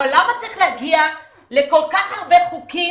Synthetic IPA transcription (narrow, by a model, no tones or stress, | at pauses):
olamat͡saʁiχlaɡia | leko̞lkaχhaʁbeχuki